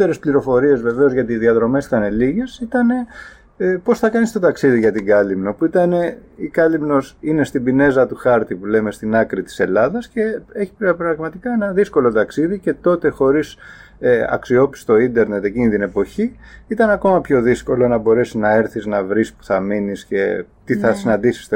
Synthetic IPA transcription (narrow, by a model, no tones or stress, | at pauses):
eɾespliɾo̞fo̞ɾie̞zve̞ve̞o̞zʝɐt̪iːðiɐðɾo̞me̞si̥t̪ɐne̞liʝe̞sit̪ɐne̞ | po̞sθɐkɐnist̪ot̪ɐksiðiʝɐt̪iɡɐlimno̞puit̪ɐne̞ikɐlimno̞sine̞st̪ibine̞zɐt̪uxɐɾt̪ipule̞me̞st̪inɐkɾit̪i̥se̞lɐðɐsce̞e̞çi̥pɾɐpɾɐɣmɐt̪ikɐenɐðisko̞lo̞t̪ɐksiðice̞t̪o̞t̪e̞xo̞ɾis | eɐ̰ksio̞pi̥st̪o̞ind̪e̞ɾne̞t̪e̞cinit̪ine̞po̞çiit̪ɐnɐko̞mɐpço̞ðisko̞lo̞nɐbo̞ɾe̞sinɐe̞ɾθiznɐvɾispu̥θɐminisce̞̰ | t̪iθɐsinɐnd̪isi̥st̪e